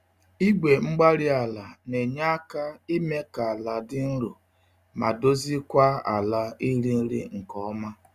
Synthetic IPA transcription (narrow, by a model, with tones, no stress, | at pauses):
i˦ɡʷe˨ŋ͡m̩˦ɡ͡ba˦ɾɪ˦a˨la˨ne˨ɲa˦ka˦i˦me˦ka˨a˨la˨dɪ˦n̩˦ɾu˨ | ma̰˨do˦zi˦kʷa˦a̰˨la˦i˦ɾi˦n̩˦ɾḭ˦ŋ̩˨kɔ˦ma˦